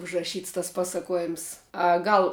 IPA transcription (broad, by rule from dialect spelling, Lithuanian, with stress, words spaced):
ʊʒrɐˈʃʲiːts tɐs ˈpɑːsɐkuɔˌjɪms ɐ ˈɡɐlˠ